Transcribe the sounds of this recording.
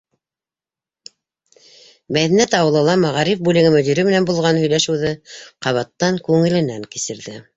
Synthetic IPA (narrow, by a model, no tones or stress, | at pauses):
mæðænæt̪ɑwɤ̆lˠɤ̆lˠɑmɑʁɑɾifbʉlɘ̆ɣɘmɵ̆d̪ʲiɾɘmɘ̆nænbulˠʁɑnhɵ̆jlæʃɘ̆wðɘqɑβɑt̪ːɑŋkʉŋɘ̆lɘ̆næŋkɘ̆sɘ̆ɾðɘ